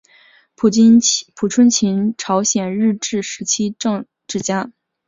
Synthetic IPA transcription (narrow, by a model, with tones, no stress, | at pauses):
pʰu˨˩ʈ͡ʂʰwə˥nt͡ɕʰi˧˥nʈ͡ʂʰɑ˧˥ʊɕjɛ˨˩nɻɻ̩˥˧ʈ͡ʂɻ̩˥˩ʂɻ̩˧˥t͡ɕʰi˥ʈ͡ʂɤ˥˧ŋ | ʈ͡ʂɻ̩˥˩t͡ɕja˥